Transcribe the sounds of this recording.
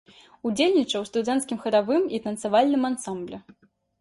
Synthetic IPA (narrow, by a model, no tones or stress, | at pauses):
ud͡zʲelʲnʲit͡ʂɐwst̪ud̪ɛnt̪skʲimxɐɾavɨmit̪ɐnt̪sɐvalʲnɨmansamblʲɛ